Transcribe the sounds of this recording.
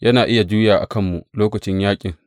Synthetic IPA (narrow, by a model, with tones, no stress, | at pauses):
jɐ˦naː˨ʔɪ˦ja˨d͡ʒuː˦jaː˨ʔa̰˨kɐ˦mːu˨ʔloː˦kɐ˨t͡ʃɪ˦ɲjaː˦kʲʼɪ˨ŋ